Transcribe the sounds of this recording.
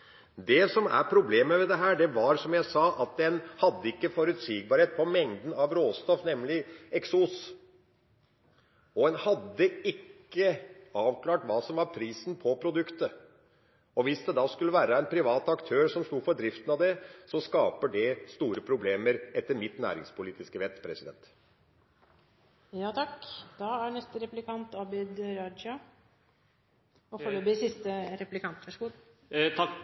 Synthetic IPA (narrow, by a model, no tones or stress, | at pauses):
d̪ɛsɔmæ̰ɾpʰɾʊbleːməʋɛd̪ɛɦæːɖɛʋɑɾsɔmjæɪsɑːʔɑt̪̚d̪ɛnhɑd̪ːəɪkːəfɔɾʉt̪siːɡ̚bɑɾheːt̪̚pʰɔmɛŋd̪n̩ɑʋɾoːst̪ɔfnɛmːlɪɛksus | ɔɛnhɑd̪ːəɪkːəɑːʋkʰlɑːʈʋɑːsɔmʋɑɾpʰɾiːsn̩pʰɔpʰɾʊd̪ʉkt̪ə | ɔʋɪsd̪ɛd̪ɑːskʉlːəʋæːɾəɛnpʰɾɪʋɑːt̪ɑkt̪ʰøːɾsɔmst̪uːfɔɖd̪ɾɪft̪ənɑʋd̪ɛsɔskɑːpəɖɛst̪uːɾəpʰɾʊbleːməɾɛt̪ːəɾmɪt̪næ̰ːɾɪ̰ŋspʰʊliːt̪ɪskəʋɛt̪ːpʰɾɛsɪd̪ɛnt̪ | jɑːt̪ʰɑkd̪̥ɑæɳɛst̪əɾɛplɪkʰɑnt̪ɑbɪd̪ɾɑd͡ʒɑ | ɔfoːɭøːbɪsɪst̪əɾɛpʉ̥lɪkʰɑnt̪ʋɑʂɡu